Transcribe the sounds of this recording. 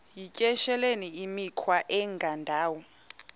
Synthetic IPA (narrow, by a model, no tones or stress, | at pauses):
jicʼɛʃɛleniimikʰwaʔɛŋɡʱandʱaːwɔ